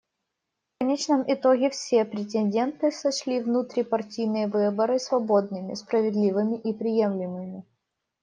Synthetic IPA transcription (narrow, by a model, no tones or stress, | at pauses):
fkɐnʲet͡ɕnəmʔɪt̪o̞ɡʲɪfsʲe̞pɾʲɪt̬ʲɪnʲdʲe̞nt̪ɨsɐɕlʲivnut̪ɾʲɪpɐrtʲijnɨjəvɨbəɾɨsvɐbo̞d̪nɨmʲɪ̰spɾəvʲɪd̪lʲivɨmʲɪʔipɾʲɪje̞mlʲɪmɨmʲɪ